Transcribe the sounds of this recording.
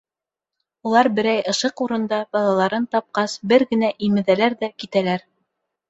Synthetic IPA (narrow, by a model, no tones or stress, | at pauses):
ulˠɑɾbɘ̆ɾæjɤ̆ʃɤquɾɤ̆nd̪ɑbɑlˠɑlˠɑɾɤnt̪ɑp̚qɑsbɘɾɡɘ̆næʔimɘ̆ðælæɾðækit̪ælæɾ